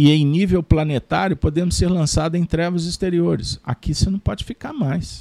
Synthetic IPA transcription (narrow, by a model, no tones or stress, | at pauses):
ɪẽj̃nivewplɐnet̪a̰ɾjʊpod̪ẽmʊsːeɾlɐ̃sad̪ʊẽj̃t̪ɾɛvɐzist̪eɾioɾɪ̰sa̰kisenɐ̃w̃pɔd͡ʒɪfikaɾmajs